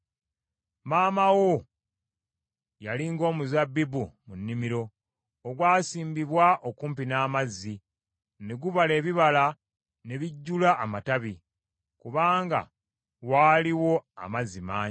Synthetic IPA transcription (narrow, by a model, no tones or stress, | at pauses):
maːmawo | jaliŋɡo̞ːmuzabːibumunːimiɾo̞ | oɡwaːsiːmbiβwaʔokuːmpinaːmazːi | ne̞ɡuβale̞ːβiβala | ne̞βiɟːulaʔːmataβi | kuβaːŋɡa̰ | waːliwo̞a̰mazimaː